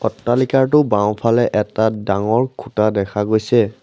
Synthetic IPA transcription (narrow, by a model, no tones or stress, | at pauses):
ɔtːalikaɹtʊbãw̃pʰalɛʔɛtadaŋɔɹkʰutadɛkʰaɡojsɛ